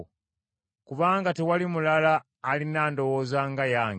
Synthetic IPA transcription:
kuβaːŋɡatewalimulalaː | linaːndo̞woːzaŋɡajaːŋ

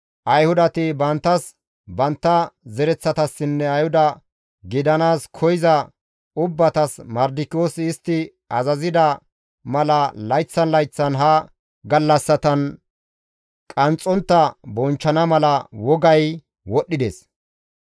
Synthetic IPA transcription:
ʔɐjhʊd̪ɐt̪ɪbɐnt̪ːɐs | bɐnt̪ːɐzɛɾɛt͡sːɐt̪ɐsːɪnːɛɐjhʊd̪ɐ | ɡɪd̪ɐnaːskʰɔjɪzɐ | ʊbːɐt̪ɐsmɐɾd̪ɪkoːsːst̪ːɪ | ɐzɐzɪd̪ɐ | mɐlɐlɐjt͡sːɐnlɐjt͡sːɐnɦɐ | ɡɐlːɐsːɐt̪ɐn | kʼɐnt͡sʼːɔnt̪ːɐbɔnt͡ʃːɐnɐmɐlɐwɔɡɐj | wɔɗːɪd̪ḛs

